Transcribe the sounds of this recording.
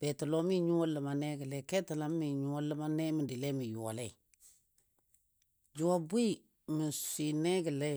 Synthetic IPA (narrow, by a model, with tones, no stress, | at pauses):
b̥ɛ˨tə˨lɔ˦mi˦ɲu˦o˦lə˨ma˨nɛ˦ɡə˨lɛ˦˨kɛ˦tə˨la˨˦mː˦i˨ɲu˨wɔ˦lə˦ma˦nɛ˦mɪ˨di˨lɛ˦mɪ˨ju˨a̰˨lɛ˦˨ | d͡ʒu˨wa˨bi˦ | mɪ˨ssi˨nɛ˦ɡə˨lɛ˦